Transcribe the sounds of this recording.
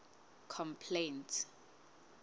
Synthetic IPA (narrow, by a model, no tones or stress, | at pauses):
kʰɔmpʰlentʰ